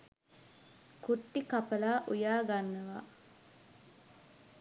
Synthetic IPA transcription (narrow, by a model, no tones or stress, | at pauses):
kuʈːikapəlaːʔujaːɡanːəʋa